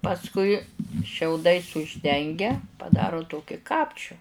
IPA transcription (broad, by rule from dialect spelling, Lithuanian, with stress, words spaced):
pɐsˈkʊɪ ʃʲɛʊˈdɐɪs ʊʒʲˈdʲɛŋʲɡʲɛ pɐˈdɑːroː ˈtoːkʲɪ ˈkɑːpʲt͡ʃʲʊ